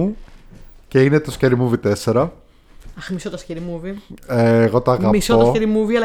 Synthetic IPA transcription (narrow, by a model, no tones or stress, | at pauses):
u | ceinet̪osceɾimuvit̪e̞seɾɐ | ɐxmisot̪ɐsceɾimuvieːɣo̞t̪ɐːɣɐmissootɐseɾimuviɐl